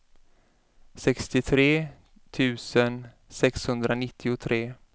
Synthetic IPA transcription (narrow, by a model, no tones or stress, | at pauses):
sɛkst̪ɪt̪ʰɾeː | t̪ʰʉ̟ːsən | sɛkshɵnd̪ɾanɪt̪ʰːɪʊt̪ʰɾeː